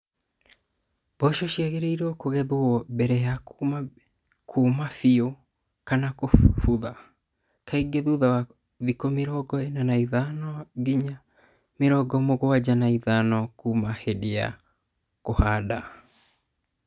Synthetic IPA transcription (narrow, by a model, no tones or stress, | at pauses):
b̥ɔʃɔʃiaɣeɾeiɾɔkoɣɛðoɔbɛɾɛja | kʰumafio | kanakofuða | kaiɡeðuðawa | ðikomeɾɔɡɔenanaiðanɔɡiɲa | meɾɔɡɔmoɣoad͡ʑanaiðanɔkumahedea̰ | kohaːda